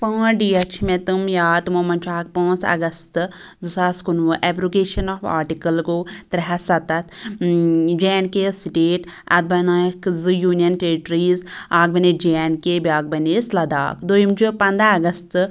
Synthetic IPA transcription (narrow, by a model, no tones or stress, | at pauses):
pãːɖiːɐt͡ʃʰimet̪umjaːt̪momɐnt͡ʃʰaːk̚pãːnt͡sɐ̰ɡɐst̪ɨ | zusaːskunʋɨʔɛbɾoːɡeːʃɐnɔːfa̰ːɾʈikɐlkoːt̪ɾɐɦɐsɐt̪ɐt̪ʰ | d͡ʒɛːnkesiʈeːʈɐt̪̚bɐnakzɨjuːnijɐnʈeɾiʈɾiːzaːk̚bɐned͡ʒɛːnkebʲaːk̚bɐneːslɐd̪a̰ːkd̪ojimt͡ʃʰupɐnd̪aːɡɐst̪